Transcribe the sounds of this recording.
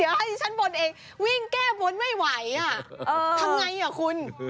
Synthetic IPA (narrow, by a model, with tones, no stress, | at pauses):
ha˦˥˩jt͡ɕʰa˦˥nbo˧nʔeː˧ŋ | wi˥˩ŋkɛː˥˩bo˧nma˥˩jwa˨˩˦ja˧˩ʔɤː˧a˧mŋa˧jʔa˨˩kʰu˧n